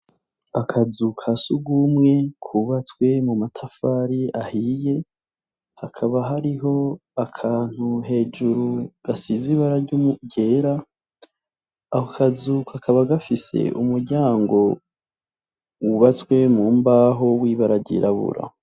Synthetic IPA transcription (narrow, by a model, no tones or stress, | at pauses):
akʰazukʰasuɡumŋe̞kʰuβat͡swe̞mumatʰafaːɾiahije̞ | hakʰaβaɦaɾiɦo̞akʰaːn̥huɦe̞ːd͡ʒuɾuɡ̥asiziβaɾaɾɟumuɟe̞ːɾa | ahokʰazukakʰaβaɡafise̞̰ʔumuɾɟaːŋɡo̞ | wuβat͡swe̞mumbaːɦowiːβaɾaɟḭɾaβṵɾa̰